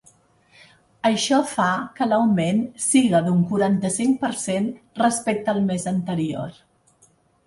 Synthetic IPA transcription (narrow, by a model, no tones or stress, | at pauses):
əʃɔfakələwmensiɣəðuŋkuɾant̪əsiŋpəɾsenrəspek̚t̪əːlˠmezənt̪əɾio̰ɾ